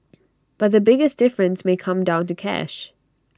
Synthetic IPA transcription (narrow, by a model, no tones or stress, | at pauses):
b̥ʌt̪̚ðɨbɪɡɨsd̥ɪfɹɨ̃nsmeɪkʰʌ̃mdãʊ̃ntɨkʰɛ̰ʃ